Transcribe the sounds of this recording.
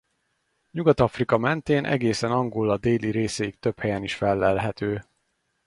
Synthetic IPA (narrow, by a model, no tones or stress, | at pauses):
ɲuɡɒt̪ɒfrikɒmɛnt̪eːnʔɛ̰ɡeːsɛnɒŋɡolːɒd̪eːliɾeːsɛik̚t̪ø̞phɛjɛniʃfɛlːɛlɦɛt̪øː